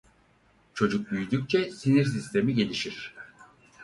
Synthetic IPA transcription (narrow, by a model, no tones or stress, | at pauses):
t͡ʃʰo̞d͡ʒuk̚byjyd̪yk̚t͡ʃʰɛsiniɾsist̪ʰe̞miɟe̞lʲiʃiɾ̥